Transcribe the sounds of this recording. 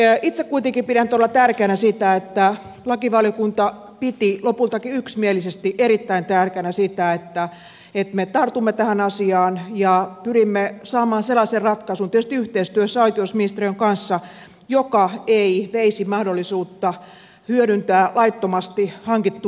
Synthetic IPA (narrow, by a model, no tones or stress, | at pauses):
it̪sekkuit̪eŋkipiɾænyt̪olːɑt̪ærkeænæsit̪æet̪ːæ | lɑkiʋɑljokunt̪ɑ | pit̪ilopult̪ɑkiyksmielisest̪iʔeɾit̪ːæint̪ærkĕænæsit̪æet̪ːæ | et̪met̪ɑrt̪umːet̪æhænɑsiɑːnjɑpyrimːesɑːmɑːnselːɑːserrɑt̪kɑsunt̪iest̪iyht̪eist̪yøsːæoikeusminist̪erijøŋkɑnsːɑ | jokɑeiʋeisimɑhdolːˑisuːt̪ːɑ | hyøɾynt̪æːlɑit̪ːomɑst̪ihɑŋkit̪ːu